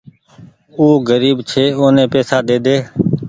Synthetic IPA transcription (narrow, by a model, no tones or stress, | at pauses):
uːɡəɾiːbt͡ʃʰeːoːnẽːpeːsaːd̪eːd̪eː